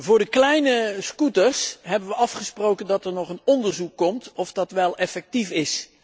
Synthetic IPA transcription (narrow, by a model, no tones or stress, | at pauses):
vʊːɹdəklɛjnəskutəɹsɦɛbənʋəɑfχəsprowkəndɑtɛɹnɔχənɔndəɹzukːɔmtɔfdɑtʋɛlˠɛfɛk̚tifɪs